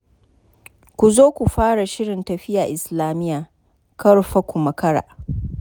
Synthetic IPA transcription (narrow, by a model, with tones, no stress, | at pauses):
kʷu˨zoː˦kʷu˨ɸaː˦ɽa˨ʃɪ˦ɽɪ˨ntɐ˨ɸɪ˦jaː˨ʔɪ˨slaː˨mɪ˦jaː˨ | kɐ˦ɽɸa˦kʷu˨mɐ˨kɐ˦ɽa̰ː˨